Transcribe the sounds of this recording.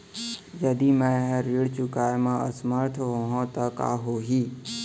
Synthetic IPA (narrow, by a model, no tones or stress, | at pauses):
jəd̪imɛ̃ɦəɾiɽt͡ʃukajmãə̰sməɾt̪ʰɦoɦõt̪əka̰ːɦoɦiː